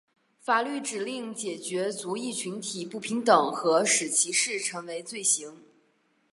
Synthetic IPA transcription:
fa˨˩ly˥˩ʈ͡ʂɻ̩˨˩li˥˩ŋt͡ɕjɛ˨˩t͡ɕɥɛ˧˥t͡su˧˥i˥˩t͡ɕʰy˧˥nt̪ʰi˨˩pu˥˩pʰi˧˥ŋt̪ɤ˨˩ŋxɤ˧˥ʂɻ̩˨˩t͡ɕʰi˧˥ʂɻ̩˥˩ʈ͡ʂʰɤ˧˥ŋwe˧˥ɪt͡swe˥˩ɪɕi˧˥ŋ

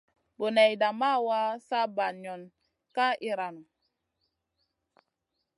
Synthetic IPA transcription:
bo˨nɛ˨jda˨ma˦wa˦sa˦ba˨ɲɔ˨n | ka˦ʔi˦ɾa˨nu˨

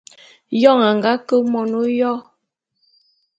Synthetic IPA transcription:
jɔ˦˨ŋa˨ŋɡa˦kə˦mɔ˨no˦jɔ˦

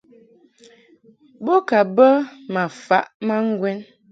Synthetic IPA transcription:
bo˦ka˨bə˦ma˨fa˦ʔma˦ŋ̩˦ɡwɛ˦n

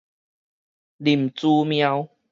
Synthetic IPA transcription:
li˨˩mt͡su˦˧mj̃ã˦˧w

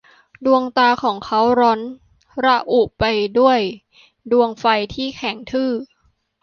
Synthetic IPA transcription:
du˧əŋt̪aː˧kʰɔː˩˦ŋkʰa˦˥wɾɔ˦˥n | ɾa˧˥ʔu˨˩pa˧jdu˥˩əj | du˧əŋfa˧jt̪ʰiː˥˩kʰɛ˩˦ŋt̪ʰɯː˥˩

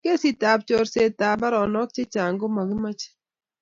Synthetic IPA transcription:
ke˦si˨ta˨p̚t͡ʃo˨ɾse˨ta˨ba˦ɾɔ˨nɔ˦k̚t͡ʃe˦t͡ʃa˨ŋɡo˦ma˨ɡɪ˦ma˦t͡ʃ

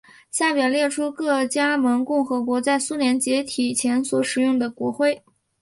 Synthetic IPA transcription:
ɕja˥˩pjɛ˨˩ljɛ˥˩ʈ͡ʂʰu˥kɤ˥˩t͡ɕja˥mə˧˥ŋkʊ˥˩ŋxɤ˧˥kwɔ˧˥t͡sa˥˩ɪsu˥ljɛ˧˥nt͡ɕjɛ˧˥t̪ʰi˨˩t͡ɕʰjɛ˧˥nswɔ˧˥ʂɻ̩˨˩jʊ˥˩ŋd̪ə˩kwɔ˧˥xwe˥˩ɪ

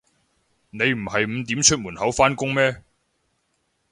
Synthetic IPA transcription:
ne˨˧jm̩˨˩hɐ˨jm̩˨˧t̪iː˨˥mt͡ʃʰɵ˥t̚muː˨˩nhɐ˨˥wfaː˥nkʊ˥ŋmɛː˥

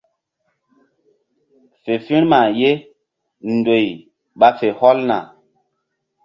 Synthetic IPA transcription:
fe˨fĩ˦ɾma˨je˦ | n˨do˨j | ɓa˦fe˨hɔ˦lna̰˨

